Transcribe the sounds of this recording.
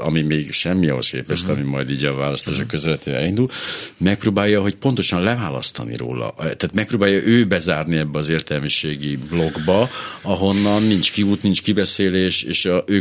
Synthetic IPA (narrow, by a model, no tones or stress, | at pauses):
ɒ̰mimeːɡʃɛmːiɒ̰ɦo̞̰skḛːpɛʃt̪ɒmimɒjd̪iːɟɒvaːlɒst̪aːʃokːøzɛlɛt̪eːɛ̰ɛ̰lind̪ulmɛk̚proːbaːjɒɦo̞cpo̞nt̪o̞ʃɒnlɛvaːlɒ̰st̪ɒ̰nḭɾo̰ːlɒ̰ʔt̪aːt̪mɛk̚proːbaːjːɒʔøːbɛzaːrniɛbːɛɒzeːrt̪ɛlmiʃeːɡiblo̞ɡbɒɒɦo̞nːɒnːint͡ʃkiut̪nint͡ʃkibɛseːleːʃeːʃøː